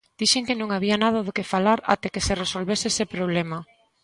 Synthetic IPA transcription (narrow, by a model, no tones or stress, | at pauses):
d̪̥iʃeŋkɪnõŋaβianaðaðokefalaɾa̰t̪ekeseresolβesesepɾoβ̞lemɐ